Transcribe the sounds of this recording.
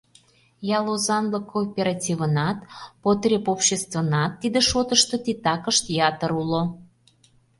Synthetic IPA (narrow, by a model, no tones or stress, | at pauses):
jɑlozɑnləkʰopʲeɾɑtʲivənɑt̪pot̪ɾʲepopɕest̪və̆nɑt̪ːid̪eʃot̪əʃt̪ot̪it̪ɑkəʃt̪jɑt̪əɾulo